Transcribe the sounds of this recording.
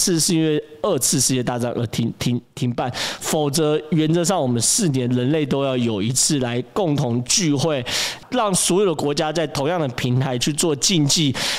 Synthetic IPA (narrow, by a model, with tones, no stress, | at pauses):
t͡s̩ʰ˥˧ʂɻ̩˥˧i˦nwe˥˧ɪə˥˧t͡sʰɹ̩˥˧ʂɻ̩˥˧t͡ɕjɛ˥˧t̪a˥˧t͡sɑ̰˥˩ŋʔə˧˥t̪ʰi˥ŋt̪ʰi˧˥ŋt̪ʰi˧˥ŋpa˥˩nfo˨˩ʊt͡sɤ˧˦˥ɥɛ˧˥nt͡sɤ˧˦ʂ̬ɑ˥˩ŋwɔ˨˩mə˦nsɹ̩˥˩njɛ˨˦nɻə˧˦nle˥˩ɪt̪o˥ʊjɑ˥˩ʊjo˨˩ʊi˧˥t͡s̩ʰ˥˩la˧˦ɪkʊ˥˩ŋt̪ʰʊ˧˦˥ŋt͡ɕy˥˧xwe˥˩ɪlɑ˥˩ŋswɔ˧˥jo˨˩d̪ə˧kwɔ˧˥t͡ɕja˥t͡sa˥˩ɪt̪ʰo˧˥ŋjɑ˥˨˩ŋd̪ə˩pʰi˧˥nt̪ʰa˧˥ɪt͡ɕʰy˥˧t͡swɔ˥˧t͡ɕi˥˧nt͡ɕi˥˩˨